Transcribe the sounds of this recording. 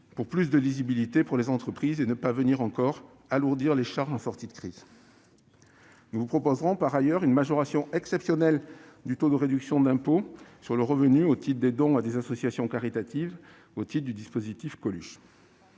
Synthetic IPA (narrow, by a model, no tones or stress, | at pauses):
puʁplys̬d̪əlizibilit̪epuʁlezɑ̃t̪χəpχizenəpavəniʁɑ̃kɔʁ | aluʁd̪iʁleʃaʁʒɑ̃sɔʁt̪id̪əkχiz | nuvupχɔpozʁɔ̃paʁajœʁynmaʒɔʁasjɔ̃ʔɛksɛpsjɔnɛld̪yt̪od̪əʁed̪yksjɔ̃d̪ɛ̃posyʁləʁəvənyot̪it̪d̪ed̪ɔ̃ad̪ezasɔsjasjɔ̃kaʁit̪at̪iv | ot̪it̪d̪yd̪ispozit̪ifkɔlyʃ